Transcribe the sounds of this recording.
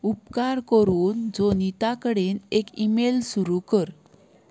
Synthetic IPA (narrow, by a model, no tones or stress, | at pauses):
upkaɾkəɾuːnd͡zonit̪akəɽenekimelsuɾukəɾ